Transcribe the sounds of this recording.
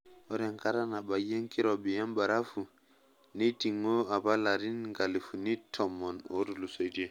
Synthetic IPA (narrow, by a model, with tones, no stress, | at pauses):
ɔ˦ɾɛ˨ŋka˦ɾa˦na˨ba˨je˦ŋki˦ɾɔ˨bi˨ja˦mba˨ɾa˦fu˨ | ni˦ti˨ŋːɔ˦a˨ba˦la˨ɾi˦nŋɡa˨li˨fu˨ni˦tʰɔ˨mːɔ˨no̰˦ɾu˨lu˨so˨jde˦